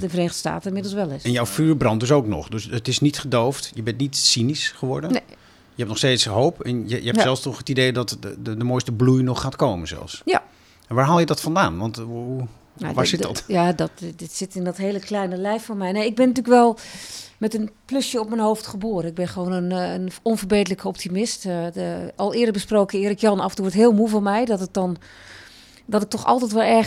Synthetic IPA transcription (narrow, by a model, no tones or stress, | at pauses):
tɪnfreːnəɣdə̥sta̰ːtəɪnmɪdl̩ˠsʋɛlˠɪsɛnjɔwfyːɹbrɑnt̚døs̬owknɔ̰χdøsətɪsnitχədowftjəbɛntnitsinisχəʋɔɹdən | jəɦɛp̚nɔχsteːtsɦowpɛnjəjəɦɛpsɛlˠfstɔχətidejdɑtədəmojstəblujnɔχːaːtkowmənz̥ɛ̰lˠfsja | ʋaːɹɦaːlˠjədɑtfɑndaːnʋɑntu | ʋaːɹsɪtdtjadɔtdɪtsɪtɪndɔtɦeːləklɛjnəlɛjffɔnmɛjnejɪɡ̚bɪnːətyləkʋɛlˠmɛtənplɵsjəɔp̚mɛnɦowftχəboːrənɪɡ̚bɪnχʋownənnɔnvərbejdələkəɔp̚timɪst | ɑlˠɪːdəbəsproːkəɪːɾɪkjɑnɑfəntuːʋɔtɦɪːlˠmuvɔnmɛjdɔtət̚dɔn | dɔtɪk̚tɔxɑ̰lˠtɛjtʋɛlˠɛ